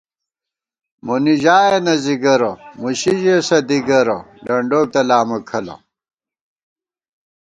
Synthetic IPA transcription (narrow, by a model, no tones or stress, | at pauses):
muniʑaːjenɐziɡɐɾomuɕiʑesɐd̪iɡɐɾo̰ɖɐɳɖoːk̚t̪ɐlaːmɐkʰɐlɐ̰